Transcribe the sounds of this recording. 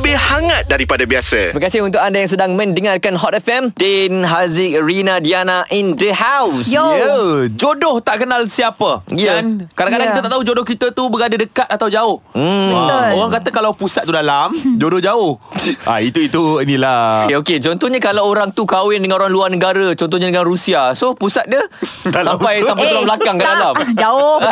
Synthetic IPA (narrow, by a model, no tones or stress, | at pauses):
bɪhaŋat̪̚daɾipadabiasa̰imakasɪɦunt̪̬ʊkandajaŋs̬ədaŋmə̃ndəŋarkanɦɔt̪ɛfɛmt̪inɦazɪkɾinãdianaʔindəɦawsəd͡ʒodɔht̪aʔkənalsiapəiankaɾaŋkadaŋkkt̪at̪aʔt̪aɦud͡ʒodɔhkit̪at̪ubəɡadədəkat̪̚at̪awd͡ʒaʊh̩oɣaŋkat̪əkalawpusat̪̚ːudalamd͡ʒodɔhd͡ʒaʊhʔa̰it̪uit̪uinĩlaeoket͡ʃɔnt̪ɔhɲakalawoɾaŋt̪ukawɪndəŋãnoɾaŋluarnəɡaɾət͡ʃɔnt̪ɔhɲadəŋanrusiasohpusat̪̚dəsampajsampajalambəlakaŋkadalamd͡ʒaʊ